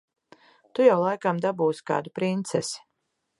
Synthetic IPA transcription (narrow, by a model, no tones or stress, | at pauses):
t̪ujawlˠajkamd̪abuːska̰ːd̪upɾint̪sɛsi̥